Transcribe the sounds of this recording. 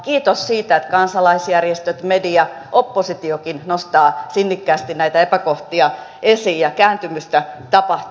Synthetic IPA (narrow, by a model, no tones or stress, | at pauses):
kiːt̪ossiːt̪æet̪kɑnsɑlɑisjærjest̪øt̪mediɑʔopːosit̪iokinnost̪ɑːsinːikːæːst̪innæit̪æepækoht̪iɑ | ʔesiːjjɑkæːnt̪ymyst̪æt̪ɑpɑht̪